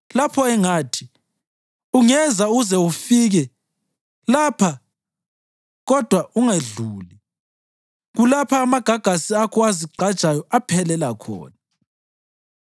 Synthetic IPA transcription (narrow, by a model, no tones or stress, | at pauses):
lapʰɔɛŋaːtʰi̥ | uŋɛzauɣuzɛufiɣɛ | lapʰa | ɣɔd̥ʱwauŋaɮuːli | ɣulapʰaːmaɡ̥ʱaɡ̥ʱasiakʰɔaziɡ͡ǀʱad̥t͡ʃʼajɔʔapʰɛlɛlakʰɔ̰ːna